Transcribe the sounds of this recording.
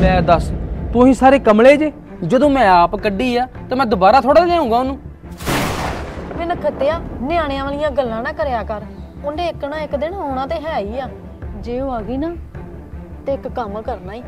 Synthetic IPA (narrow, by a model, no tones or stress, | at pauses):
ɛːd̪əst̪ʊĩːsaːɾeːkəmleːd͡ʒeː | d͡ʒəd̪õːmɛ̃ːaːpkəɖiːaːt̪aːmɛ̃ːd̪ʊbaːɾaːt̪ʰoːɽaːd͡ʒɛ̃ːũːɡaːʊnũː | pɪnəkʰːət̪eːaːnɪaːɽ̃eãːʋəːlɪjãːɡəlːãːnaːkəɾjaːkəɾ | ʊnɖeːɪknãːɪkd̪ɪnɔːɽãːt̪eːɦɛːaːiːaː | d͡ʒeːoːaːɡiːnaː | t̪eːɪkkəmkəɾnaːiː